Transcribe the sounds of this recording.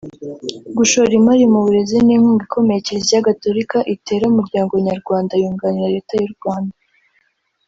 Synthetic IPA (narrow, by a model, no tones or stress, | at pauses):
ɡuʃo̞ɾimaɾimuβuɾe̞ziniŋhuːŋɡikʰo̞me̞jeceziɟaɡato̞ɾikaʔite̞ːɾaumuɾɟaːŋɡoɲaɾɡwaːndajuːŋɡaniɾaɾe̞ːtajuɾɡwaːnda